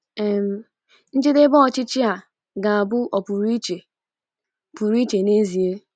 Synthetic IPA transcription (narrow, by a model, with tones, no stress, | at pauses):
e˨m̩˨˦ | n̩˦d͡ʒɪ˦de˦bɔ˦ɔ˨t͡ʃɪ˦t͡ʃi˦a˨ | ɡa˨a˨bʊ˦ʔɔ˨pu˨ɾi˦t͡ʃe˨ | pu˨ɾi˦t͡ʃe˨ne˦zi˨e˦